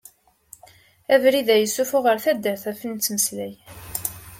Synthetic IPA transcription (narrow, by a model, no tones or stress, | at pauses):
ævɾiðæjəsːufʊʁəɾθæd̪ːəɾθæfənt͡sːməslæj